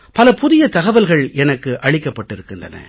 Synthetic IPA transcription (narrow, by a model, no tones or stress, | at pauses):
pɐlɐpʊðɪjɐt̪ɐɣɐʋɐlɣɐɭɛnɐkːɯʔɐɻɪkːɐpːɐʈːɪɾɯkːɯndrɐ̰nɐ̰